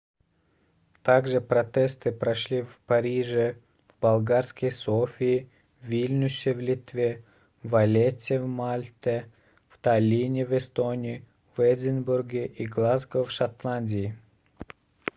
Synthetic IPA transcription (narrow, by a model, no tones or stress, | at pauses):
t̪aɡʐɨpɾɐt̪ʲest̪ɨpɾɐʂlʲivpɐɾʲiʐɨ | vbɐlˠɡarskəjsofʲiː | vʲilʲnʲusʲɪvlʲit̪vʲe | vɐlʲetʲːɪvmalʲt̪ʲə | vt̪ɐlʲinʲɪvɛst̪onʲɪː | vɛd̪ʲɪnburɡʲɪʔiɡlˠazɡəfʂat̪lˠanʲdʲɪː